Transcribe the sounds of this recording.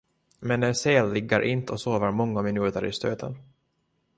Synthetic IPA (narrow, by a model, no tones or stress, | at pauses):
mɛnɛnseːlːɪɡːəɾʔɪnt̪əɔsoːvəɾmɔŋːamɪnʉ̟ːt̪əɾʔɪ̰st̪øːt̪ʰə̰n